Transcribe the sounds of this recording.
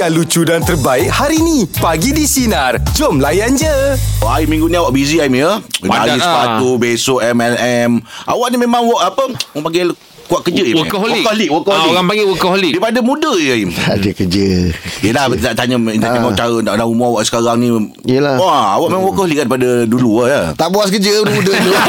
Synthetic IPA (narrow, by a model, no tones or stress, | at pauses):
kalut͡ʃudant̪ərbaɪʔhaɾinipaɡidisinard͡ʒomlajand͡ʒəʔaimĩŋɡuniawaʔbiziaimjəmaaispat̪ubesoʔɛmɛlɛmʔa̰waʔnimemãŋwɔʔapəpaŋɡɛ | kuaʔkːəd͡ʒəikɦlwiɔliʔwokɔhioɣaŋpaŋɡɛwəkəhlidaipadəmũdəjəimdəkəd͡ʒəijəlat̪aʔt̪aɲətaamat͡ʃaɾəaʔlaumuawaʔsəkaɾaŋnĩ | iəlaaa̰waʔmemãŋwɔʔkəholiʔat̪ɾpadəduluajət̪aʔbuaskəd͡ʒədmudət̪o